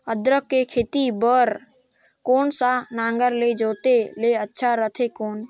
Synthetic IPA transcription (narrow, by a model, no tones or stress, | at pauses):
əd̪ɾəkːekʰeːt̪ibəɾ | koːnsanãːŋɡəɾled͡ʒoːt̪eleətːʃʰaɾət̪ʰekoːn